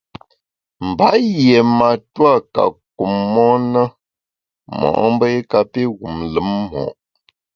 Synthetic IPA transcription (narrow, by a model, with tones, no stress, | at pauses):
m̩˨ba˨˦je˨ma˨twa˦˨ka̰˨k̚u˨mːɔ˦nə˦ | mɔ̰˨ʔm˦bə˦e˦ka˨pe˦ɣu˨mlɨ˨˦mmɔ̰˨ʔ